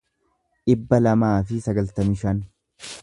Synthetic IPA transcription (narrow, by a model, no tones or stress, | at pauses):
ᶑɪbːɐlɐmaːfɪsɐɡɐlt̪ɐmɪʃɐn